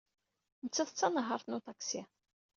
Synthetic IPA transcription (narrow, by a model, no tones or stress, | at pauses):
nət͡sːæθət͡sːɑnəɦəɾˤθnut̪ɑksi